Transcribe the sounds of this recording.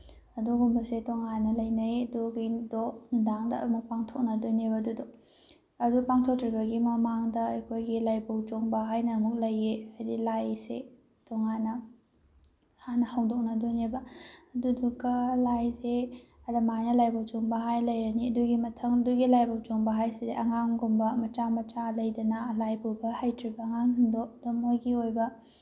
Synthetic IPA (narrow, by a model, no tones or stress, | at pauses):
ɐduɡumbɐsetoŋanɐlɐjnɐjɐduɡidonundaŋdɐ̰muk̚paŋtʰok̚nɐdoneβɐdudu | ɐdupaŋtʰok̚tɾibɐɡimɐmaŋdɐːjkʰojɡilajbɐwd͡ʒoŋbɐɦajnɐmuk̚lɐjːedilajsḛ | toŋanɐ | hanɐhɐwdok̚nɐdonebɐɐdudukːɐlajse | ɐdɐmajnɐlajbɐwt͡ʃoŋbɐɦajlɐjɾɐniɐduɡimɐtʰɐŋɐduɡilajbɐwt͡ʃoŋbɐɦajsedeʔɐŋaŋɡumbɐmɐt͡ʃamɐt͡ʃalɐjdɐnɐlajbuwbɐhajtʰɾibɐːŋaŋhindok̚domojɡiojbɐ